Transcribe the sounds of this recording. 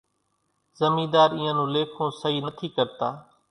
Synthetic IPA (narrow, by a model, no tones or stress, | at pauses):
zəmĩːd̪aːɾĩːãːnũːleːkʰõːsəɦiːnət̪ʰiːkəɾt̪aː